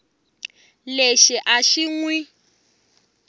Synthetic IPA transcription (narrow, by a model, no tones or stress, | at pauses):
leʃiʔaʃiŋwi